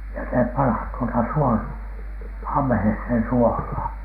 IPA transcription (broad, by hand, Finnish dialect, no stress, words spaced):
jɑ se pɑnhɑn tuotɑ suol ɑmˑĕheshen suohlɑːn